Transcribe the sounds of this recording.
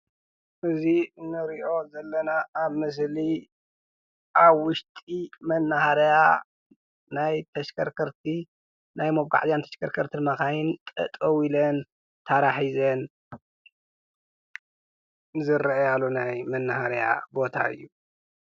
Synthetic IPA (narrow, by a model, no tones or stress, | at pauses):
ʔɨzinɨɾiʔo̞zɐlːɐnaːβmɨs̬li | ʔaβwʊʃt̪ʼimɐnːɐhaɾja | najt̪ʰɐʃkʰɐɾkʰɐɾt̪ʰi | najmoβɡa̰ʕzjant̪ʰɐ̥ʃkʰɐɾkʰɐɾt̪ʰinmakajint̪ʼɐ̰t̪ʼɐwilɐn | t̪ʰaɾaħizɐn | zɨɾʔjalonajmɐnːɐhaɾja̰bo̞t̪ʰa̰ɨ̰jːu